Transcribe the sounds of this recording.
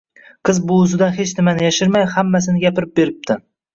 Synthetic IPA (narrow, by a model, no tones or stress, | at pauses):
qʰɨzbʊʊzɪd̪anɦe̞t͡ʃnɪmanɪjaʃɪɾmajhamːasɪnɪɡʲapɪɾɪp̚be̞ɾɪp̚t̪ʰɪ